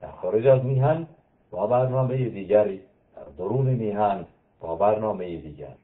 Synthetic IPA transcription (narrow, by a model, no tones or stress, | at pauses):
d̪̥æ̰ɾxɒːɾed͡ʒæzmiːɦæn | bɒːbæɾnɒːmejed̪iːɟæɾi | d̪̥æ̰ɾd̪oɾuːnemiːɦæn | bɒːbæɾnɒːmejed̪iːɟæ̰ɾ